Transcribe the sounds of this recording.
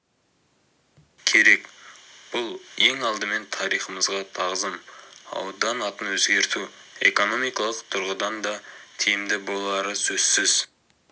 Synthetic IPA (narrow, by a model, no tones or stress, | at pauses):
kʲʰe̞ɾe̞kb̥ʊlˠe̞ŋɑlˠd̪əme̞nt̪ʰɑɾijχəməzʁɑt̪ʰɑʁzəmɑ̰wd̪ɑnɑt̪ənwɵzɡʲe̞ɾt̪u | e̞̰ko̞no̞mijkɑlˠəqt̪ʰʊɾʁəd̪ɑnd̪ɑt̪ʰijɪmd̪ɪbo̞lˠɑɾəsɵz̥sɪz̥